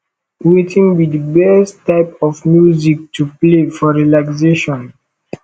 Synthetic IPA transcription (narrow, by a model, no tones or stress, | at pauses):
wetʰĩŋwidəbɛstːaɪpɔfmjuzik̚tʰuplefɔɹilakseʃɔ̃n